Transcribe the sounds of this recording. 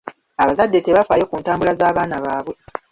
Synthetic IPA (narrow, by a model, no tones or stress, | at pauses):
aβazadːe̞te̞βafaːjo̞kuːntaːmbulazaːβaːnaβaːβwe̞